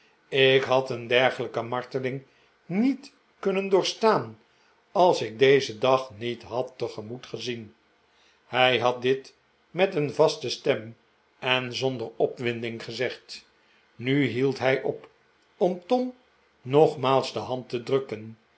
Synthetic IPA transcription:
ɪkɦɑtəndɛɹχələkəmɑɹtəlɪŋ | nit | kɵnəndʊːɹstaːn | ɑlˠsɪk̚dejzədɑχnitɦɑtːəχəmutχəzin | hɛjɦɑt̚dɪt | mɛtənvɑstəstɛm | ɛnzɔndəɹɔpʋɪndɪŋχəzɛχt | nyɦilˠtɦɛjʔɔp | ɔmtɔm | nɔχmaːlˠzdəɦɑntədrɵkən

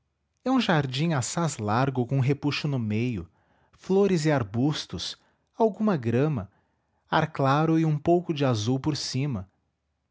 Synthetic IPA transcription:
ɛũʒaɾd͡ʒĩŋasazlaɾɡʊkõɦepuʃʊnʊmejʊ̰ | floɾɪzɪaɾbust̪ʊs | awɡũmɐɡɾɐ̃mɐ | aɾklaɾʊɪũpowkʊd͡ʒɪazuwpoɾsĩmɐ

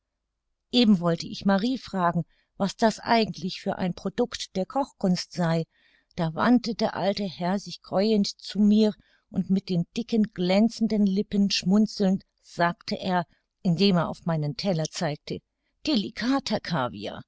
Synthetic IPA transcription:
ʔeːbm̩vɔltəʔɪ̰çmaʁiːfʁ̥aːɡŋ̩ | vasd̥asʔa̰ɪɡŋ̩tʰlɪçfyːɐʔa̰ɪnpʁ̥odʊktd̥eːɐkʰɔχkʊnstz̥aɪ | d̥aːva̰ntədeːɐʔa̰ltəhɛɐzɪçɡ̥ʁ̥ɔʏəntt͡sumiːɐ | ʔʊntmɪt̚d̥eːnd̥ɪkənɡ̥lɛnt͡sn̩dənlɪpənʃmʊnt͡sl̩nt | z̥aːktʰəʔeːɐ | ʔɪndeːmeːɐʔa̰ʊfmaɪnəntʰɛlɐt͡saɪk̚tʰə | d̥elikʰaːtʰakʰaːvḭa̰

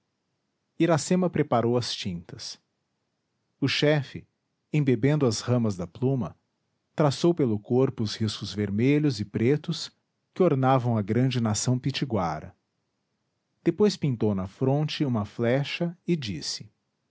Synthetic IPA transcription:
iɾasẽmɐpɾepaɾowɐst͡ʃĩnt̪ɐs | ʊʃɛfɪ | ẽbebẽnd̪ʊɐzhɐ̃mɐzd̪ɐplũmɐ | t̪ɾasowpelʊkoɾpʊːzhiskʊzveɾmeʎʊzɪpɾet̪ʊs | kɪoɾnavɐ̃w̃ɐɡɾɐ̃d͡ʒɪnasɐ̃w̃pit͡ʃiɡwaɾɐ̰ | d̪̥epojspĩnt̪ownɐfɾõnt͡ʃɪũmɐflɛʃɐɪd͡ʒisɪ̥

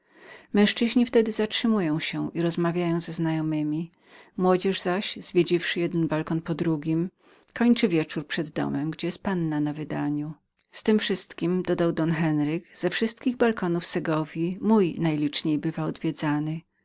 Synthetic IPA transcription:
mɛ̃ʂt͡ʂɘʑɲift̪ɛd̪ɘzatʂɘmujɔ̃w̃ɕɛʔiɾɔzmavʲjajɔ̃w̃zɛznajɔmɘmʲi | mwɔd͡ʑɛʐzaɕz̥vʲjed͡ʑifʂɘjɛd̪ɛnbalkɔnpɔd̪ɾuɡʲim | kʰɔɲt͡ʂɘvʲjɛt͡ʂuɾpʂɛd̪ːɔ̰mɛmɡd͡ʑɛjɛst̪̚panːanavɘd̪aɲu | st̪ɘmfʂɘst̪kʲimd̪ɔd̪awd̪ɔnxɛnɾɘɡz̥ɛfʂɘst̪kʲiɣbalkɔnufsɛɡɔvʲjimujnajlʲit͡ʂɲejbɘvaɔd̪vʲjɛd̪zanɘ

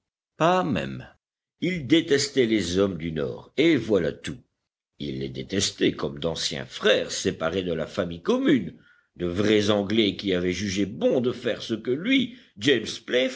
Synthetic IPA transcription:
pamɛ̰m | ild̪et̪ɛst̪ɛlezɔmd̪ynɔ̰ːʁevwala̰t̪u | ilːɛ̰d̪et̪ɛst̪ekɔmd̪ɑ̃sjɛ̰̃fχɛːʁsepaʁed̪əla̰famijkɔmyn | d̪əvʁɛzɑ̃ɡlɛkʲiavɛʒyʒebɔ̃d̪əfɛʁsəkəlɥi | d͡ʒɛmsple

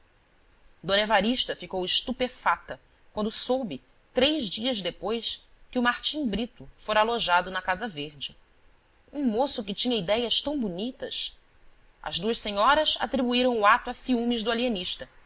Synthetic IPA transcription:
d̪õnevaɾiʃt̪ɐfikowɪʃt̪upefat̪ɐ | kwɐ̃nd̪ʊsowbɪ | t̪ɾejʒd͡ʒiɐzd̪epojs | kɪʊmaɾt͡ʃĩŋbɾit̪ʊfoɾaloʒad̪ʊnɐkazɐveɾd͡ʒɪ | ũmosʊk̬ɪt͡ʃĩɲɐid̪ɛjɐst̪ɐ̃w̃bunit̪ɐs | ɐ̰zd̪uɐʃseɲɔɾɐsa̰t̪ɾibuiɾɐ̃w̃ʊat̪ʊasiũmɪʒd̪ʊalieniʃt̪ɐ

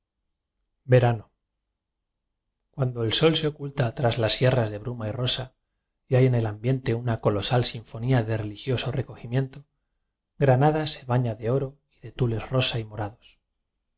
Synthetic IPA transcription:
be̞ɾano | kwand̪o̞elso̞lseo̞kult̪at̪ɾazlasje̞razðe̞βɾumairo̞sa | iaje̞ne̞lambje̞nt̪e̞unako̞lo̞salsiɱfo̞niaðe̞re̞lixjo̞so̞re̞ko̞ximje̞nt̪o̞ | ɡɾanað̞ase̞βaɲaðe̞o̞ɾo̞ | iðe̞t̪ule̞zro̞saimo̞ɾaðo̞s

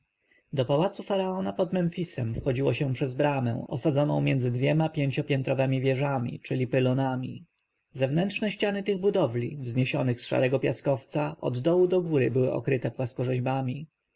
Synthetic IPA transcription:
d̪ɔpawat̪sufaɾaɔnapɔd̪mɛnfʲisɛmfxɔd͡ʑiwɔɕɛ̃pʂɛzbɾamɛ̰̃ɔ̰sad̪zɔnɔ̃w̃mʲjɛnd̪zɘd̪vʲjɛmapʲjeɲt͡ɕɔpʲɛnt̪ɾɔvɛmʲivʲjɛʐamʲḭt͡ʂɘlʲipɘlɔnamʲi | zɛvnɛntʂnɛɕt͡ɕanɘt̪ɘɣbud̪ɔvlʲḭvzɲeɕɔnɘxsʂa̰ɾɛɡɔpʲjaskɔft̪saʔɔ̰d̪ːɔwud̪ɔɡuɾɘbɘwɘ̰ʔɔ̰kɾɘt̪ɛpwaskɔʐɛʑbamʲi

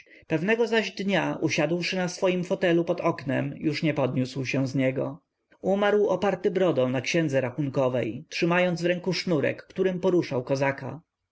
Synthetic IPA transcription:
pɛvnɛɡɔzaʑd̪ɲaʔuɕad̪wʂɘnasfɔjimfɔt̪ɛlupɔd̪ɔknɛ̰mjuʂɲɛpɔd̪ɲuswɕɛw̃zɲɛɡɔ̰ | umaɾwɔpaɾt̪ɘbɾɔd̪ɔ̃w̃nakɕɛnd̪zɛɾaxuŋkɔvɛjtʂɘmajɔnd̪zvɾɛŋkuʂnuɾɛ̰kːt̪uɾɘmpɔɾuʂawkɔzaka̰

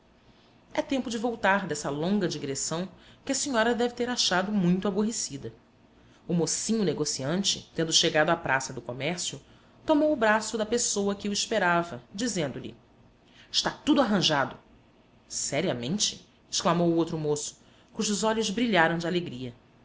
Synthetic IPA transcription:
ɛt̪ẽmpʊd͡ʒɪvowt̪aɾd̪ɛsɐlõŋɡɐd͡ʒiɡɾesɐ̃w̃kɪɐsiɲɔɾɐd̪ɛvɪt̪eɾaʃad̪ʊmũj̃t̪ʊaboɦesid̪ɐ | ʊmosĩɲʊneɡosiɐ̃nt͡ʃɪt̪ẽnd̪ʊʃeɡad̪ʊapɾʔasɐd̪ʊkomɛɾsiʊ | t̪omowʊbɾasʊd̪ɐpesowɐkɪuiʃpeɾavɐd͡ʒizẽnd̪ʊʎɪ̰ | ɪʃt̪at̪ud̪ʊaɦɐ̃ʒad̪ʊ | sɛɾiɐmẽnt͡ʃɪ | ɪʃklamowʊowt̪ɾʊmosʊ̥ | kuʒʊzɔʎʊzbɾiʎaɾɐ̃w̃d͡ʒɪaleɡɾiɐ

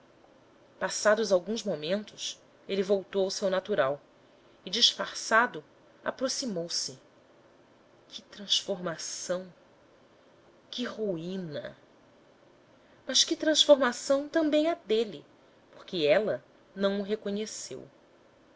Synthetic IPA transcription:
pasad̪ʊzawɡũzmomẽnt̪ʊs | elivowt̪owʊsewnat̪uɾaw | ɪd͡ʒiʃfaɾsad̪ʊ | a̰pɾosimowsɪ | kʰɪt̪ɾɐ̃sfoɾmasɐ̃w̃ | kɪʁuĩnɐ̰ | mɐʃkɪt̪ɾɐ̃sfoɾmasɐ̃w̃t̪ɐ̃mbẽj̃ɛd̪elɪ | poχkɪɛlɐ | nɐ̃w̃ʊɦekoɲesḛw

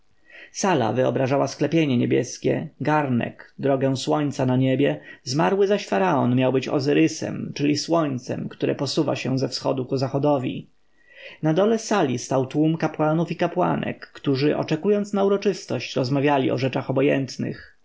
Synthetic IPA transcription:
sala̰vɘɔ̰bɾaʐawasklɛpʲjeɲɛɲebʲjɛskʲɛ̰ɡaɾnɛ̰kd̪ɾɔɡɛ̃swɔɲt̪sanaɲebʲjɛzmaɾwɘzaɕfaɾaɔnmʲjawbɘt͡ɕɔ̰zɘɾɘsɛ̰mt͡ʂɘlʲiswɔɲt̪sɛ̰mkt̪uɾɛpɔsuva̰ɕɛ̃zɛfsxɔ̰d̪ukuzaxɔd̪ɔvʲḭ | nad̪ɔlɛsalʲist̪awt̪wumkapwanufikapwa̰nɛ̰kːt̪uʐɘʔɔ̰t͡ʂɛkujɔnt̪snauɾɔt͡ʂɘst̪ɔɕt͡ɕɾɔzmavʲjalʲiɔʐɛt͡ʂaxɔbɔjɛ̰nt̪nɘ̰x

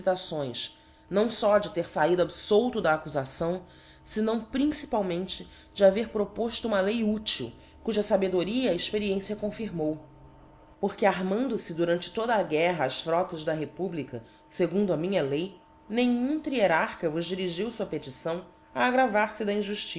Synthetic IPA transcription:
it̪asõj̃s | nɐ̃w̃sɔd͡ʒɪt̪eɾsaid̪ʊabisowt̪ʊd̪ɐːkuzasɐ̃w̃ | sɪnɐ̃w̃pɾĩsi̥pawmẽnt͡ʃɪ | d͡ʒɪaveɾpɾopoʃt̪ʊũmɐlejut͡ʃiw | kuʒɐsabed̪oɾiɐːɪʃpeɾiẽsiɐkõfiɾmow | poɾkɪaɾmɐ̃nd̪ʊsɪd̪uɾɐ̃nt͡ʃɪ̥t̪od̪ɐːɡɛɦɐːsfɾɔt̪ɐzd̪ɐɦepublikɐ | seɡũnd̪ʊɐmĩɲɐlej | nẽɲũt̪ɾieɾaχkɐvʊʒd͡ʒiɾiʒiwsuɐpet͡ʃisɐ̃w̃ | ɐːɡɾavaɾsɪd̪ɐĩʒuʃt͡ʃi

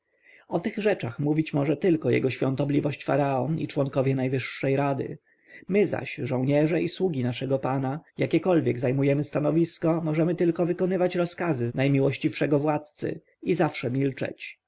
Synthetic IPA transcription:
ɔt̪ɘɣʐɛt͡ʂaxmuvʲit͡ɕmɔʐɛt̪ɘlkɔjɛ̰ɡɔɕfʲɔnt̪ɔblʲivɔɕt͡ɕfa̰ɾaɔnḭt͡ʂwɔŋkɔvjɛnajvɘʂːɛjɾad̪ɘ̰ | mɘza̰ɕʐɔ̃w̃ɲɛʐɛʔiswuɡʲinaʂɛɡɔpanajakʲɛkɔlvʲjɛɡzajmujɛmɘst̪anɔvʲiskɔmɔʐɛmɘt̪ɘlkɔvɘkɔnɘvat͡ɕɾɔskazɘnajmʲiwɔɕt͡ɕifʂɛɡɔvwat̪̚t̪sɘ̰ | izafʂɛmʲilt͡ʂɛ̰t͡ɕ

